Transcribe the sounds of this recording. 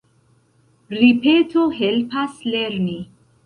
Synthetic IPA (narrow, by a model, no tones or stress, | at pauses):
ɾipetʰoɦelpasleɾni